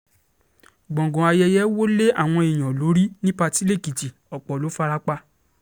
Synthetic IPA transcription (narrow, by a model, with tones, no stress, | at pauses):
ɡ͡bɔ̃˨ɡɔ̃˨a˧jɛ˧jɛ˦wo˦le˦a˦˨w̃ɔ̃˧i˨j̃ã˨lo˨˦ɾi˦nĩ˦pa˧ti˦le˦˨ki˨ti˨ | ɔ˨k͡pɔ˨lo˨˦fa˧ɾa˦k͡pa˧